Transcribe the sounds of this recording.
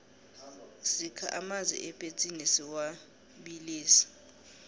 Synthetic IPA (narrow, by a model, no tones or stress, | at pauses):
sikʰa̰ʔamazwḭʔɛpʼet͡sʼinisiwa | ɓiliːsi̥